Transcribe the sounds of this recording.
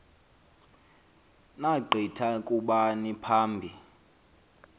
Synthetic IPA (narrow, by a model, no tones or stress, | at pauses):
naɡ͡ǃʱitʰakʼuɓanipʰaːmbʱi